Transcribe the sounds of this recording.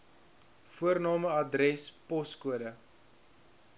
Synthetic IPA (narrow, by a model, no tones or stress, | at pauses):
fuərnɑːməɐdrɛspɔskuədə